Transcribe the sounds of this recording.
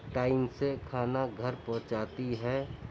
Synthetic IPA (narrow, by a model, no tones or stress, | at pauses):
ʈaːɪmsekʰaːnaɡʱəɾpɔ̃ɦt͡ʃaːt̪iɦɛː